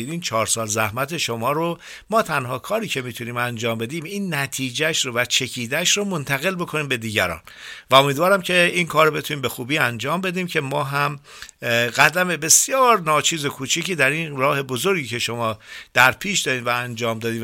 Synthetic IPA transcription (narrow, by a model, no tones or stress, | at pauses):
ɾiːnt͡ʃʰɒːɾsɒːlzæhmæt̪ʰe̞ʃo̞mɒːɾo | mɒːt̪ʰænɦɒːkʰɒːɾiːcʰe̞miːt̪ʰuniːmænd͡ʒɒːmbe̞d̪iːmiːnːæt̪ʰiːd͡ʒæʃɾovæt͡ʃʰe̞cʰiːd̪æʃromo̞nt̪ʰæɣe̞lbo̞kʰo̞niːmbe̞d̪iːɟæɾɒ̰ːn | væo̞miːd̪vɒːɾæmcʰe̞iːnkʰɒːɾobe̞t̪ʰuniːmbe̞xuːbiːænd͡ʒɒːmbe̞d̪iːmcʰe̞mɒːɦæm | ɣæd̪æme̞be̞sjɒːɾnɒːt͡ʃʰiːzo̞kʰuːt͡ʃʰiciːd̪æɾinɾɒːhe̞bozo̞ɾɡiːcʰeʃo̞mɒːd̪̥æɾpʰiːʃd̪ɒːd̪iːmvæːnd͡ʒɒːmd̪ɒːd̪iː